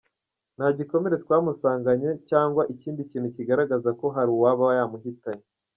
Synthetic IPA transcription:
nhaɟiko̞me̞ɾe̞twaːmusaːŋɡaɲe̞caːŋɡwaʔiciːndiciːn̥huciɡaɾaɡazako̞ɦaɾiwaβawajaːmuɦitaɲe

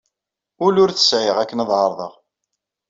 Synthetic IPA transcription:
ʊlʊɾθə̥sʕɪʁækːənðˤʕɑɾˤðˤə̰ʁ

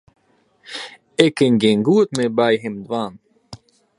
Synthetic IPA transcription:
ekeŋɡeŋɡuːt̪mebaːjɦemd̪vaːn

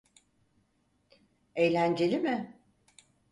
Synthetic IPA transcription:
ejlʲænd͡ʒe̞lʲimɪ

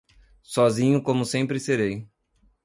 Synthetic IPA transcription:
sɔzĩɲʊkõmʊsẽmpɾɪseɾej

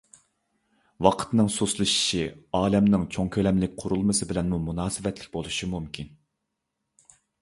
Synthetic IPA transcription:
wɑqʰə̥t̪nɨŋsuslˠɨʃi̥ʃiɑːlɛmnɪŋt͡ʃʰoŋkʲʰølɛmlɪk̚ʲqʰʊɾulˠmɨsɨbɪlɛnmumunɑːsɨvɛt̪lɪ̥kʲbolˠuʃimumkʲin

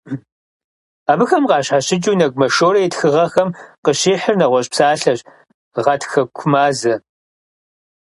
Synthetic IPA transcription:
aːbɨxɐmqɑːɕħaɕɪd͡ʒʼuːnɐɡʷʼmɐʃoːɾɐjɪtxɨʁɐxɐmqəɕiːħərnɐʁʷɔɕʼpsaːɬɐɕ | ʁɐtʰxɐkʷʰʊmaːzɐ

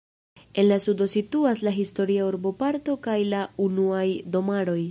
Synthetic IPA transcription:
e̞nlasudo̞situaslaɦisto̞ɾiauɾbo̞paɾto̞kajlaunuajdo̞maɾo̞j

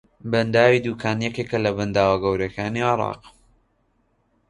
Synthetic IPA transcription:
bɐnd̪aːwid̪uːkʰaːnjɛkekɐlɐbɐnd̪aːwɐɡɐwɾɐkaːniːʕɪɾˤɑ̰ːq

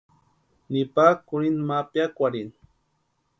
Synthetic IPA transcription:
nipakʊɾinmapjakʷaɾin

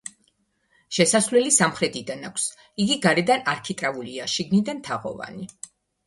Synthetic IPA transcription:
ʃɛsasvlɛlisamχɾɛd̪ʰid̪anakʷʰs | iɡiɡaɾɛd̪anaɾkʰit̪ʼɾauliaʃiɡnid̪ant̪ʰaʁɔ̰va̰ni

